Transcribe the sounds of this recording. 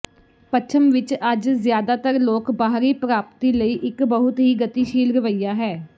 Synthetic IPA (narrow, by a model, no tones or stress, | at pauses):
pət͡ʃʰəmʋɪt͡ʃəd͡ʒzɪjaːd̪aːt̪əɾloːkbaːɦɾiːpɾaːpt̪iːləiːʔɪkbəɦʊt̪ɦiːɡət̪iːʃiːlɾəʋəijaːɦɛː